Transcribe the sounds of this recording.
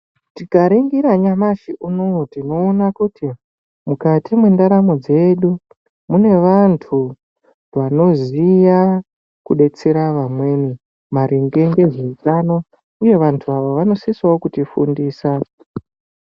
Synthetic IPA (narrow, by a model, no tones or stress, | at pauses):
tikaɾeŋɡiɾaɲamaʃiʔunowotino̞ːnakuti | mukatimwendaɾamod͡ze̞ɗu | mune̞ʋantʰu | ʋano̞zija | kuɗe̞t͡se̞ɾaʋamwe̞ːni | maɾiŋɡe̞ŋɡe̞ʐeit͡ʃano | uje̞ʋantʰuaʋoʋano̞siswawokutifṵndiːsa